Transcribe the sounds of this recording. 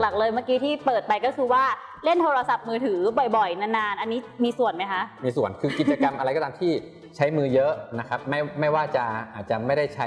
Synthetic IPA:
kla˨˩k̚lɤː˧jmaː˥˩kiː˦˥t̪ʰiː˥˩pɤː˨˩t̪̚pa˧jkɔ˥˩kʰɯː˧waː˥˩ | le˥˩nt̪ʰoː˧ɾa˧sa˨˩p̚mɯː˧t̪ʰɯː˩˦bɔ˨˩jbɔ˨˩jna˧˥nːaː˧nʔa˧nːiː˦˥miː˧su˨˩ənma˦˥jkʰa˦˥ʔmiː˧su˨˩ənkʰɯː˧ki˨˩t̪̚t͡ɕa˧ka˧mʔɾa˧jkɔ˧˥t̪aː˧mt̪ʰiː˥˩ | t͡ɕʰa˦˥jmɯː˧jɤ˦˥ʔna˦˥kʰa˦˥p̚ma˥˩jma˥˩jwaː˥˩t͡ɕa˨˩ʔaː˨˩t̪̚t͡ɕa˨˩ma˥˩jda˥˩jt͡ɕʰa˦˥

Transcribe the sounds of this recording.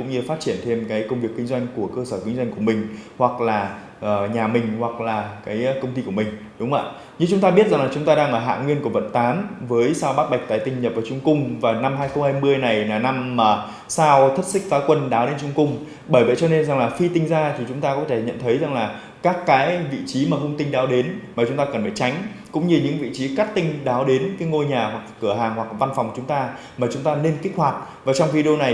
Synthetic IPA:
kʊ̰˧˥ŋ͡mɲɨ˧faː˦˥t̚t͡ɕi˧˩ənt̪ʰe˧mkaː˨˦jkə˧wŋ͡mvi˨˩əkːŋ̟zwa˧jŋ̟ku˧˩əkəː˧səː˧˩kï˨˦ŋ̟za˧ŋ̟ku˧˩əmï˨˩ŋ̟hwa˨˩k̚laː˨˩ | ʔəː˨˩ɲaː˨˩mï˨˩ŋ̟hwa˨˩k̚laː˨˩kaː˨˦jkə˧wŋ͡mt̪i˧ku˧˩əmï˨˩ŋ̟ɗʊ˨˦ŋ͡mʔa̰ː˧˨ | ɲɨ˧ŋt͡ɕʊ˨˦ŋ͡mt̪aː˧ɓi˦˥ət̚za˨˩ŋlaː˨˩ʊ˨˦ŋ͡mt̪aː˧ɗaː˧ŋʔəː˧˩ɦa̰ː˧˨ŋwi˧ənku˧˩əvə̰˧˨nt̪aː˨˦nvəː˨˦jsaː˧wɓaː˦˥t̚ɓa˨˩jk̚t̪aː˨˧˩jt̪ï˧ŋɲə˨˩p̚vaː˨˩t͡ɕʊ˧ŋ͡mkʊ˧ŋ͡mvaː˨˩na˧mɦaː˧jxə˧wŋ͡mhaː˧jmɨ˧əjna˨˩jaː˨˩na˧maː˨˩ | saː˧wt̪ʰə˦˥t̚sï˦˥k̚faː˨˦kwə˧nɗaː˨˦wɗe˨˦nt͡ɕʊ˧ŋ͡mkʊ˧ŋ͡m | ɓəː˧˩jvə̰˧˨jt͡ɕɔ˧ne˧nza˨˩ŋlaː˨˩fi˧t̪ï˧ŋ̟zaː˧t̪ʰi˨˩t͡ɕʊ˨˦ŋ͡mt̪aː˧kɔ˨˦t̪ʰe˧˩ɲə̰˧˨nt̪ʰə˨˦jza˨˩ŋlaː˨˩ | kaː˦˥kːaː˨˦jvḭ˧˨t͡ɕi˨˦maː˨˩hʊ˧ŋ͡mt̪ï˧ŋ̟ɗaː˨˦wɗe˨˦nmaː˨˩t͡ɕʊ˨˦ŋ͡mt̪aː˧kə˨˩nfəː˧˩jt͡ɕa˨˦jŋ̟ | kʊ̰˧˥ŋ͡mɲɨ˧ɲɨ̰˧˥ŋvḭ˧˨t͡ɕi˨˦ka˦˥t̚t̪ï˧ŋ̟ɗaː˨˦wɗe˨˦nkaː˨˦jŋo˧jɲaː˨˩hwa˨˩k̚kɨ˧˩əɦaː˨˩ŋhwa˨˩k̚va˧nfɔ˨˩wŋ͡mt͡ɕʊ˨˦ŋ͡mt̪aː˧ | maː˨˩t͡ɕʊ˨˦ŋ͡mt̪aː˧ne˧nki˦˥k̚hwaː˨˩t̚ | vaː˨˩t͡ɕɔ˧wŋ͡mvi˧ɗo˧na˨˩j

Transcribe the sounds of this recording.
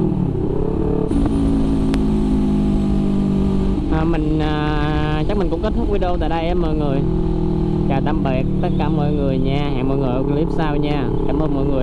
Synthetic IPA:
ʔaː˨˩mï˨˩ŋ̟ʔaː˨˩ | t͡ɕa˦˥k̚mï˨˩ŋʊ̰˧˥ŋ͡mke˦˥t̚t̪ʰʊ˦˥k̚wi˨˦ɗo˧wt̪a̰ː˧˨ɗaː˧jʔɛ˧mːɔ̰ː˨jŋɨ˨˩əj | t͡ɕaː˨˩t̪a˧mɓe˨˩k̚t̪ə˦˥t̚kaː˨˧˦mɔ̰˧˨jŋɨ˨˩əjɲaː˧ɦɛ̰ː˧˨ŋmɔ̰˧˨jŋɨ˨˩ʔə˧wkli˦˥p̚saː˧wɲaː˧˩ | ka̰ː˨˧˩mʔəː˧nmɔ̰˧˨jŋɨ˨˩

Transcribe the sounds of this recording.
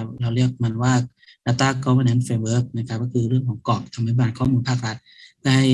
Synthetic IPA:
p̚ɾa˧wɾi˥˩ək̚ma˧nwaː˥˩ | ʔa˧˩t̪ːaː˧˥˩kɔː˧˩ma˧˨nʔa˧˥nfeː˧mbəː˦˥k̚na˦˧˩kʰa˦˥p̚kɔː˥˩kʰɯː˧ɾɯ˥˩əŋkʰɔː˩˦ŋkɔː˨˩k̚t̪ʰa˧mːaː˨˧˥jbaː˨˧˩nkʰɔː˥˩˨muː˧npʰaː˥˩k̚ɾa˦˥t̪̚daː˥˨˩j

